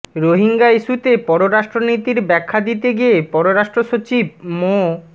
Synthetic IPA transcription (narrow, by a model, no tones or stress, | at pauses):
ɾoɦiŋɡaiʃut̪epɔɾoɾaʃʈɾonit̪iɾbɛkʰːad̪it̪eɡiepɔɾoɾaʃʈɾoʃot͡ɕib̚mo